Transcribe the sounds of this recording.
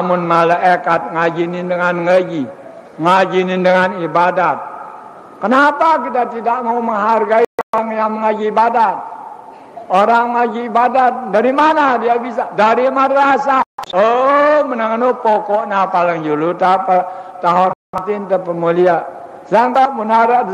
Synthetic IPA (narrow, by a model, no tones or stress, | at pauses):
amʊnmalaʔekat̪̚ŋad͡ʒinɪndəŋanŋəd͡ʒi | ŋad͡ʒinɪndəŋanibadat̪̚ | kənapak̬it̪at̪idaʔmauməŋɦarɡaioaŋjaŋməŋaɡiːbadat̪̚ | oɾaŋmaɡiːbadat̪̚daɾimanadiabis̬adaɾimadɾasaomənaŋənopokɔʔnapaləŋd͡ʒulut̪apat̪aɦonamat̪int̪əpəmulia | saŋkaʔmunaɾa